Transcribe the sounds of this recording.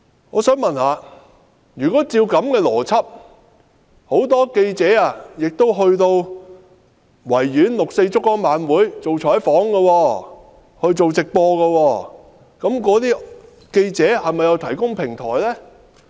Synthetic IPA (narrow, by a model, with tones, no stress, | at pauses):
ŋɔ̰ː˨˧sœː˨˥ŋmɐ˨nhaː˨˧ | jyː˨˩kɔː˨˥t͡siː˧wkɐ˨˧˥mkɛː˧lɔː˨˩t͡sʰɐ˥p̚ | ho˨˥wt̪ɔː˥ke˧jt͡sɛː˨˥a˨jɪ˨k̚t̪o˥wɦɵ˧ɥt̪o˧w | wɐ˨˩jjyː˨˥nlʊ˨k̚se˧jt͡sʊ˥kːɔː˥ŋmaː˨˥nwuː˨˥jt͡so˨wt͡ʃʰɔː˨˥jfɔː˨˥ŋɡɐ˧wɔː˧ | hɵ˧ɥt͡so˨wt͡sɪ˨k̚pɔː˧ɣɐ˧wɔː˧ | kɐ˨˧˥mkɔː˨˥t̪̬iː˥ | ke˧jt͡sɛː˨˥hɐ˨jmɐ˨jɐ˨˧wt̪ʰɐ˨˩jkʊ˥ŋpʰɪ˨˩ŋt̪ʰɔ̰ː˨˩jlɛː˥